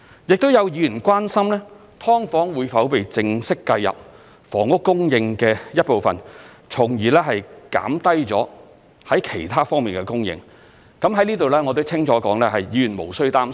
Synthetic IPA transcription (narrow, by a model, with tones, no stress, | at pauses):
jɪ˨k̚t̪o˥wjɐ˨˧wjiː˨˧˥jy˨˩nkʷaː˥nsɐ˥mlɛː˥ | t̪ʰɔː˥ŋfɔː˨˥ŋwuː˨˧jfɐ˨˥wpe˨jt͡sɪ˧ŋsɪ˥kːɐ˧jɐ̰˨p̚ | fɔː˨˩ŋʊ˥kːʊ˥ŋjɪ˧ŋkɛː˧jɐ˥t̚po˨wfɐ̰˨n | t͡sʰʊ˨˩ŋjiː˨˩lɛː˥ɦɐ˨jka̰ː˨˥mt̪ɐ˥jt͡sɔ̰ː˨˥ | hɐ˨˥jkʰe˨˩jt̪ʰaː˥fɔː˥ŋmiː˨nkɛ˧kʊ˥ŋjɪ̰˧ŋ | kɐ˨˥mhɐ˨˥jniː˥t̪o˨wlɛː˥ŋɔ˨˧t̪̬o˥wt͡sʰɪ˥ŋt͡sʰɔː˨˥kɔː˨˥ŋlɛː˥ɦɐ˨jjiː˨˧jy˨˩nmo̰˨˩wsɵ˥ɥt̪aː˥m